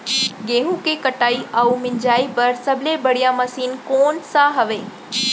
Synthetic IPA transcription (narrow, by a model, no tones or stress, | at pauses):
ɡẽːɦũkekəʈaːiʔaːumɪ̃ɲd͡ʑaːipɐɾsɐbʱlebɐɽijãmɐsiːnkoːnsaɦɐʋeː